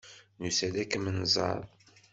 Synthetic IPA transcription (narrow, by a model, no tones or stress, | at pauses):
nusælækːəmənzˤɑ̰ðˤ